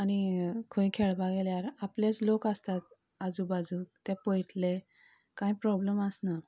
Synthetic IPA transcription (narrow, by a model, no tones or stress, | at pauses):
añikʰõikʰeɭbaɡeljaɾaplet͡slokast̪at̪̚ | ad͡zubad͡zuːt̪ɛ̃pojʈʰle | kãĩpɾɔbləmasna